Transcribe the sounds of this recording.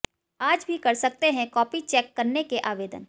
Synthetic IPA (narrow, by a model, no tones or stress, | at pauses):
aːd͡ʒbʱikɐɾsɐk̚t̪eɦɛ̃kɔːpit͡ʃɛːkːɐɾnekeʔaːʋeːd̪ən